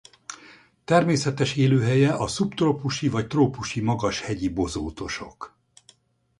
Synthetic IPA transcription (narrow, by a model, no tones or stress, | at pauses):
t̪ɛrmeːsɛt̪ɛʃeːløːɦɛjɛʔɒsupt̪ropuʃivɒct̪roːpuʃimɒɡɒʃhɛɟibo̞zoːt̪o̞ʃo̞k